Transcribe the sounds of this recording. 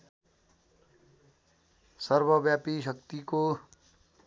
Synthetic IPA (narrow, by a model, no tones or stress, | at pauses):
sʌɾbəbjapiʃ̬ʌkt̪iko